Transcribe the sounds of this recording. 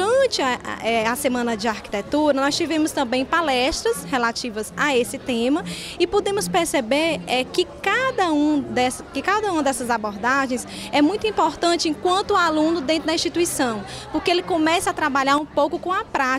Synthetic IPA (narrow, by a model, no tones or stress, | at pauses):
ɾɐ̃t͡ʃɪ̰ɛasemɐ̃nɐd͡ʒɪaɾki̥t̪et̪uɾɐnɔst͡ʃivẽmʊst̪ɐ̃mbẽj̃palɛʃt̪ɾɐshelat͡ʃivɐzaesɪt̪ẽmɐ | ɪpod̪ẽmʊspeɾsebeɾɛkɪkad̪ɐũd̪ɛsɐkɪkad̪ɐũɐd̪ɛsɐzaboɾd̪aʒẽj̃s | ɛmũj̃t̪ʊĩpoɾt̪ɐ̃t͡ʃɪẽkwɐ̃nt̪ʊalũnʊd̪ẽt̪ɾʊd̪ɐĩst͡ʃit̪uisɐ̃w̃ | poɾkeelɪkõmɛsɐat̪ɾabaʎaɾũpowkʊkõɐpɾa